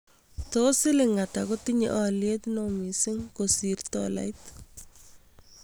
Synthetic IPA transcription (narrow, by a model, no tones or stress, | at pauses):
tosɪlɪŋatakotiɲḛʔaljet̪nomisɪŋkosirtɔ̰la̰jt